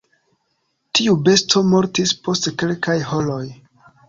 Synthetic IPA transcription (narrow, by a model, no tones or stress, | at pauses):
tʰiube̞stʰo̞mo̞ɾtispʰo̞stkelkʰajholo̞j